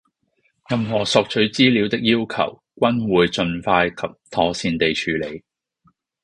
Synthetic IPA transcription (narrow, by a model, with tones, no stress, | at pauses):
jɐ˨mɦɔː˨˩sɔː˨k̚t͡ʃʰɵ˨˥ɥt͡siː˥li˨˧wt̪ɪ˥k̚jiː˥wkʰɐ̰˨˩w | kʷɐ˥nwuː˨jt͡ʃɵ˧nfaː˧jkʰɐ˨p̚t̪ʰɔː˨˥siː˧nt̪e˨jt͡ʃʰyː˨le˨˧j